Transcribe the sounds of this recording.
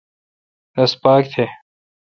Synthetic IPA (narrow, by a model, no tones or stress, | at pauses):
ɐspaːk̚t̪ʰe